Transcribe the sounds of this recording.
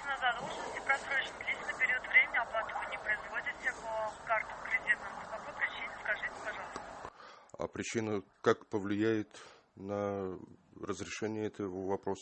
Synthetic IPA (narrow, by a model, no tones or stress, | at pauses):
nɐzad̪olˠʐnəsʲtʲɪpɾɐsɾot͡ɕnəlʲesʲnəpʲɪɾʲot̪vɾʲemʲɪnʲɪɐplˠat̪əvənʲɪpɾəɪzvodʲɪt̪sʲɪpəkart̪əmkɾʲɪdʲit̪nəməpɐpojpɾʲɪt͡ɕinʲɪskɐʐɨtʲɪ̥pɐʐɑlˠst̪əa̰pɾʲɪt͡ɕinəkakpəvlʲɪjæjɪt̪nə | rəzɾʲɪʂɛnʲɪjəɛt̪əvəvɐpɾo̞sə